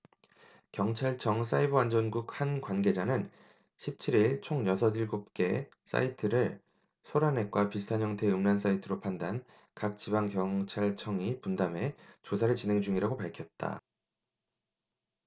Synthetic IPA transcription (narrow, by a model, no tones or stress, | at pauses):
kjʌŋt͡ɕʰaɭt͡ɕʰʌŋs̬͈aiboand͡ʑʌnɡuk̚hankwanɡe̞d͡ʑanɯn | ɕʰip̚t͡ɕʰiɾiɭt͡ɕʰoŋjʌsʰʌdiɭɡop̚k͈e̞ | s͈a̰itʰɯɾɯɭ | sʰoɾane̞k͈wapisɯ̥tʰaɲʌŋtʰe̞ɯmnans͈aitʰɯɾopʰandan | kak̚t͡ɕibaŋkjʌŋt͡ɕʰaɭt͡ɕʰʌŋipundame̞t͡ɕosʰaɾɯɭt͡ɕinɦe̞ŋd͡ʑuŋiɾaɡopaɭkʰjʌt̚t͈a̰